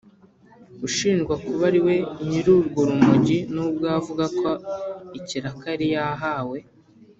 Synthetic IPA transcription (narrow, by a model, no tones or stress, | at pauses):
uʃiːnʒɡwakuβaɾiwe̞ɲiɾuɾɡuɾumuɟinuːb̚ɡavuɡakʰo̞iciɾakaɾijaɦaːwe̞